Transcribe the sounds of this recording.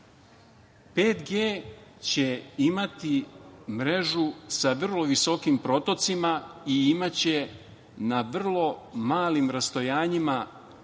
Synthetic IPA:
peːt̪ɡeːt͡ɕe̞imat̪imɾe̞ʒusaʋr̩lo̞ʋiso̞kimpɾo̞t̪o̞t̪simaiimat͡ɕe̞ | naʋr̩lˠo̞maːlimɾast̪ojaːɲima

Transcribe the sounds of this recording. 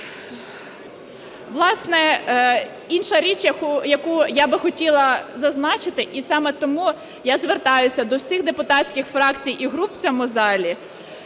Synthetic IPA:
ʋlˠɑsnɛ | inʃɐɾʲit͡ʃʲjɐjɐkujabɪxɔtʲilˠɐzɐznɑt͡ʃɪt̪ɪʔisɑmɛt̪ɔmu | jazʋert̪ɑjʊsʲɐd̪ɔwsʲixd̪epʊt̪ɑtsʲkʲɪxfɾɑkt͡sʲijʔiɦɾupwt͡sʲɔmʊzɑlʲi

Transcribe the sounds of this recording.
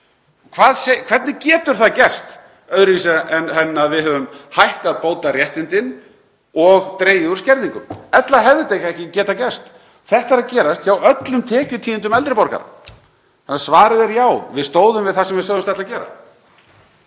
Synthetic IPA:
kʰvaːðsejkʰv̥ɛɾt̪nɪcɛːt̪ʏɾ̥θaðcɛst̪ | œðɾɪviːs̬aɛnhɛnːaðvɪðhœːvʏmhajhk̪aðpoːwt̪arjɛht̪ɪnt̪ɪn | ɔɣt̪ɾeːjɪuɾ̥scɛɾðiŋkʏmɛt̪laɦɛvðʏt̪ejkaɛhcɪcɛːt̪acɛst̪ | θɛht̪aɾacɛːɾast̪çawʔœt̪lʏmt̪ʰɛːcʏt̪ʰiːɪnt̪ʏmɛlt̪ɾɪpɔɾka̰ɾa̰ | anasvaːɾɪðɛɾjaːwvɪðst̪oːwðʏmvɪðθasɛmvɪðsœːɣðʏmst̪ɛht̪acɛːɾa̰

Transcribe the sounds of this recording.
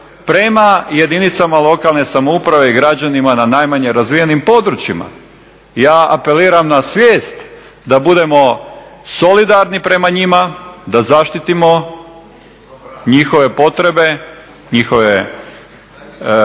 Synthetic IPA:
pɾe̞maje̞d̪init̪samalˠo̞kalˠne̞samoupɾaʋe̞iɡɾad͡ʑanimananajmaɲe̞ɾazʋijenimpo̞d̪ɾut͡ɕjima̰ | jaːape̞liːɾamnasʋʲjeːst̪ | d̪abud̪e̞mo̞so̞lid̪aɾnipɾe̞maɲimad̪azaʃt̪it̪imo̞ | ɲixo̞ʋe̞po̞t̪ɾe̞be̞ | ɲixo̞ʋe

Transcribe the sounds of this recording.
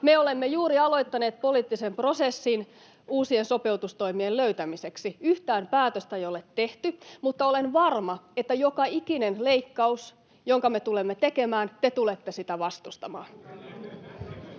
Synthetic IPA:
meolemːejuːɾiɑlo̞jt̪ːɑne̞ːt̪̚poliːt̪ːisempro̞sesːin | uːsienso̞pe̞uwt̪ust̪o̞imielløyt̪æmiseksiyht̪æːmpæːt̪øst̪æejolet̪ːe̞ht̪ymut̪ːɑo̞lenʋɑrmɑet̪ːæjokɑikinenle̞ikːɑus | joŋkɑme̞t̪ule̞mːet̪eke̞mæːnt̪et̪ulet̪ːesit̪æʋɑst̪ust̪ɑmɑːn

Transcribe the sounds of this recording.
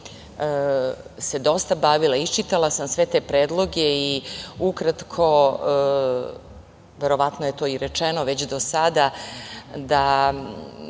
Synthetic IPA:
se̞d̪o̞st̪abaʋilˠait͡ʃit̪alasamsʋet̪e̞pɾe̞ːd̪lˠo̞ɡeiukɾat̪kʰo̞ | ʋe̞ɾo̞ʋat̪noje̞t̪o̞ːiɾet͡ʂeno̞ʋe̞t͡ɕd̪o̞sad̪a | d̪a

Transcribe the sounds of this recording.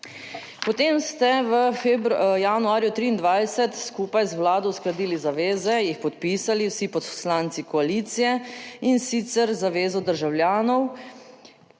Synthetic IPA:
pɔt̪eːmst̪ɛʋəfbjanuaːɾjut̪ɾiːnd̪ʋajsɛt̪skuːpajzwlaːd̪ɔwsklad̪iːlizaʋeːzɛjixpɔt̪̚piːsaliwsipɔt̪slaːnt̪sikɔaliːt̪sijɛinsit̪sɛɾzaʋeːzɔd̪əɾʒawlʲjaːnɔw

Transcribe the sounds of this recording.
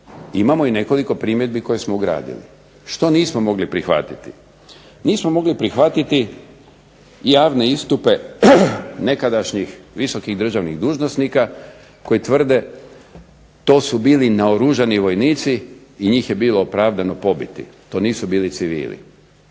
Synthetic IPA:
imamo̞ine̞ko̞liko̞pɾiːmjed̪̚biko̞jesmouɡɾa̰ːd̪ḭlḭ | ʃt̪o̞niːsmomo̞ɡlipɾixʋa̰t̪it̪i̥ | niːsmomo̞ɡlipɾixʋat̪it̪i | jaːʋne̞ist̪upe̞ | ne̞kad̪aʃɲixʋiso̞kiɣd̪r̩ʒaʋniɣd̪uːʒnosnika | ko̞jit̪ʋr̩d̪e̞ | t̪o̞ːsubiːlinaoɾuʒaniʋo̞jniːt̪siːɲiːxje̞biːloopɾaːʋd̪ano̞po̞bit̪ḭt̪o̞ːniːsubiːlit̪siʋḭːlḭ

